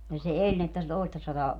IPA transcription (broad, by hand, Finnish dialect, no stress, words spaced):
jɑ se elʲ ni etːæ se toistɑsɑtɑː